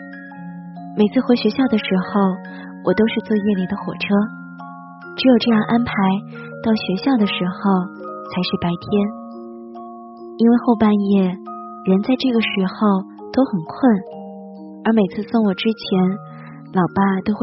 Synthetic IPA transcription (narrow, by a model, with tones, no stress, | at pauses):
me˨˩ɪt͡sʰɹ̩˥˩xwe˧˥ɕɥɛ˧˥ɕjɑ˥˩ʊd̪ə˩ʂɻ̩˧˥xo˥˧ʊ | wʔɔ˨˩t̪o˥ʊʂɻ̩˥˧t͡swɔ˥˧jɛ˥˩li˨˩d̪ə˦xwɔ̰˨˩ʈ͡ʂʰɤ˥ | ʈ͡ʂɻ̩˧˥jo˨˩ʊʈ͡ʂɤ˥˧jɑ˥˩ŋʔa˥npʰa˧˥ɪ | t̪ɑ˥˩ʊɕɥɛ˧˥ɕjɑ˥˩ʊd̪ə˩ʂɻ̩˧˥xo˥˧ʊt͡sʰa˧˥ɪʂɻ̩˥˩pa˧˥ɪt̪ʰjɛ˥n | i˥nwe˥˧ɪxo˥˧ʊpa˥˧njɛ˥˩ | ɻə˧˥nt͡sa˥˧ɪʈ͡ʂɤ˥˩ɡə˩ʂɻ̩˧˥xo˧ʊ | t̪o˥ʊxə˨˩nkʰwə˥˩n | ə˞˧˥me˨˩ɪt͡sʰɹ̩˥˧so˥˩ŋwɔ˨˩ʈ͡ʂɻ̩˥t͡ɕʰjɛ˧˥n | lɑ˨˩ʊpa˥t̪o˥ʊx